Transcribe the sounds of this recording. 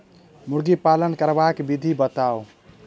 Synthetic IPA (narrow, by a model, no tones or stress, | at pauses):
muɾɡipalənkəɾbakbid̪ʱibət̪ao